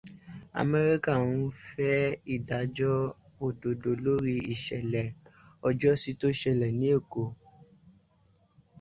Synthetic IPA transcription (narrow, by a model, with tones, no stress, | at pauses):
a̰˨me˦˧ɾi˦ka˦˨w̃ũ˧fɛ˦i˦˨da˨d͡ʒɔ˦ | o˦˨do˨do˨lo˦ɾi˦i˦˨ʃɛ˨lɛ˨ɔ˧d͡ʒɔ˦si˦to˦i˦ʃɛ˨lɛ˨nĩ˨˦e˦˨ko˨